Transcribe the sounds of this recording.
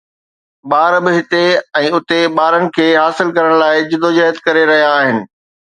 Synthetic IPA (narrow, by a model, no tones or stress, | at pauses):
ɓaːɾbɪɦɪt̪eɛ̃ːʊt̪eɓaːɾənɪ̆kʰeːɦaːsɪlkɐɾəɽ̃laːɪd͡ʑɪd̪od͡ʑɐɦət̪kɐɾeɾɐɦijaːɦɪnɪ̆